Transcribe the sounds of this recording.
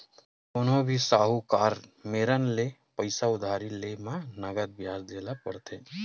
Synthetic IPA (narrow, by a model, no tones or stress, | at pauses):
ʊnɦõbʱisaːɦukaːɾmeːɾənle | pəɪsaʊd̪ʱaːɾilemãnəɡəd̪̚bjaːd͡ʒd̪eːlapəɽt̪ʰeː